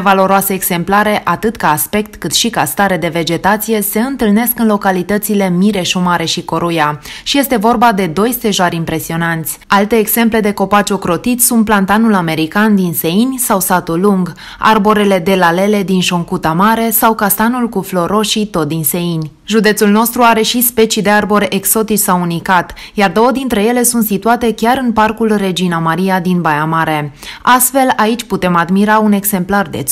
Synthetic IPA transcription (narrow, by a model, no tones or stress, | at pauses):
valo̞ɾoaseːɡ̥se̞mplaɾe̞ʔat̪ɨt̪kaːspe̞k̚t̪kɨt̪ʃikast̪aɾe̞d̪e̞ve̞d͡ʒe̞t̪at̪sije̞se̞ɨnt̪ɨlne̞skɨnlo̞kalit̪ət̪sile̞miɾe̞ʃumaɾe̞ʃiko̞ɾujaʃije̞st̪e̞vo̞rbad̪e̞d̪o̞jse̞ʒoaɾʲimpɾe̞sio̞nant̪sʲalt̪e̞ːɡz̥e̞mple̞d̪e̞ko̞pat͡ʃokɾo̞t̪it̪sunt̪̚plant̪anulame̞ɾikand̪inse̞inʲsawsat̪ulːuŋɡ | a̰rbo̞ɾe̞le̞d̪e̞lale̞le̞d̪inʃo̞ŋkut̪amaɾe̞sawkast̪anulkuflo̞ɾo̞ʃit̪o̞t̪̚d̪inse̞inʲ | ʒud̪et̪sulno̞st̪ɾuaɾe̞ʃispe̞t͡ʃid̪e̞arbo̞ɾeʔekso̞t̪it͡ʃʲsawunikat̪jard̪o̞wəd̪int̪ɾe̞je̞le̞sunt̪sit̪uat̪e̞kʲaɾɨnparkulre̞d͡ʒinamaɾiad̪inbajamaɾe̞ast̪fe̞lait͡ʃʲput̪e̞mad̪miɾaune̞ɡse̞mplard̪ḛ